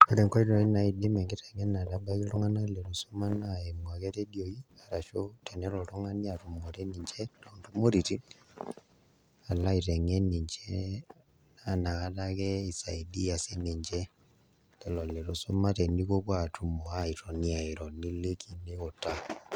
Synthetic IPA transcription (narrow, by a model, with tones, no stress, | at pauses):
o˦ɾɛ˨ŋka˦i˦ɾɔ˨i˦na˨i˨di˦mɛ˨ŋɡe˦tɛ˨ŋɛ˦na˨ta˨ba˦ki˦lo˦ŋa˦na˦le˨ɾo˨so˦ma˦naɛ˨ma˨kɛ˦tɛ˦djo˨i˦a˨ɾa˨ʃo˦tɛ˨nɛ˦lɔ˨ɾo˦ŋa˦ni˦a˨tu˨moɾe˦niː˨ɲd͡ʒɛ˦ɾɔndu˦mo˦ɾi˨ti˦ | a˨la˦i˨tɛ˨ŋɛ˦ni˨ɲd͡ʒɛ | nana˨ɣa˦ta˦ɣɛ˦i˨sa˨i˨di˦a˨se˦ne˨ɲd͡ʒɛ˦ | lɛ˨lɔ˨le˨ɾo˨so˦ma˦tɛ˨ni˦ko˦βwa˨tʰu˨mo˨a˦i˨tɔ˨ni˦a˨i˨ɾɔ˨ni˦le˦kʰi˨ne˦ɣo˨ta˦